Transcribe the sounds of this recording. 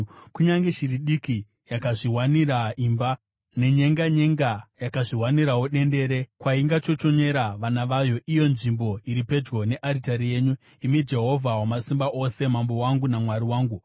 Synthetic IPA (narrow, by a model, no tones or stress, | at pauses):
kuɲaŋɡe̞ʃiriɗiki | jakaʐiwaniraimba | ne̞ɲe̞ŋɡaɲeŋɡajakaʐiwaniɾawoɗe̞nde̞ɾe̞kwaiŋɡat͡ʃo̞t͡ʃo̞ɲe̞ɾaʋanaʋajo̞ʔijo̞nʐimbo̞iɾipe̞d͡ʒɣo̞ne̞ʔaɾitaɾije̞ːɲu | imid͡ʒe̞ɦo̞vʱawamasimbaʔo̞se̞mambo̞waŋɡunamwaɾiwaːŋɡu